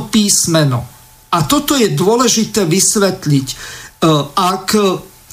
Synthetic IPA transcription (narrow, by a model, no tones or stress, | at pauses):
piːsmɛnɔ̰ | at̪ɔt̪ɔjɛd̪ʊɔlɛʒit̪ɛːʋisʋɛt̪lic | ak